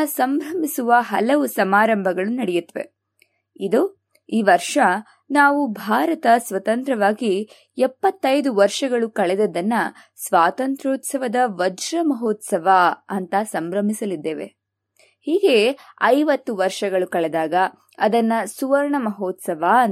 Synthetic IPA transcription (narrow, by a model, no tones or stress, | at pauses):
sɐmbɾɐmisuʋɐɦɐlɐʋusɐmaːɾɐmbʱɐɡɐɭunɐɽɛjut̪ːʋḛ | id̪u | iːʋɐɾʂɐ | naːʋubʱaːɾɐt̪ɐsʋɐt̪ɐnt̪ɾɐʋaːɡi | ɛpːɐt̪ːɐjd̪uʋɐɾʂɐɡɐɭukɐɭɛd̪ɐd̪ɐnːɐ | sʋaːt̪ɐnt̪ɾoːt̪sɐʋɐd̪ɐʋɐd͡ʒɾɐmɐɦoːt̪sɐʋaɐnt̪ɐsɐmbɾɐmisɐlid̪ːeːʋe̞̰ | hiːɡe̞ɐjʋɐt̪ːuʋɐɾʂɐɡɐɭukɐɭɛd̪aːɡɐ | ɐd̪ɐnːɐsuʋɐɾɳɐmɐɦoːt̪sɐʋa